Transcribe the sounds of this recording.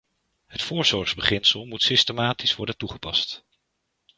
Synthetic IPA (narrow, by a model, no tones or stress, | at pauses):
ɦətfʊːɹz̥ɔɹχzbəχɪnsəlˠmutsɪstəmaːtisʋɔɹdəntuχəpɑ̰st